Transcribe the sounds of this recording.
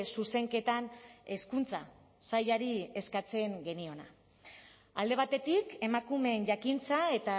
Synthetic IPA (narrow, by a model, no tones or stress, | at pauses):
suse̞ŋke̞t̪ane̞skunt͡sa̰ | sajaɾie̞skat͡se̞ŋɡe̞nio̞na̰ | a̰ld̪e̞βat̪e̞t̪ike̞makume̞nʝakint͡sae̞t̪a